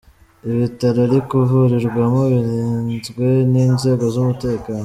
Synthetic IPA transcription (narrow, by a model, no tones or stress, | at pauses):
iβitaɾaɾikuvuɾiɾɡwamoβiɾiːnzɡwe̞niːnze̞ːɡo̞zumute̞ːkaːno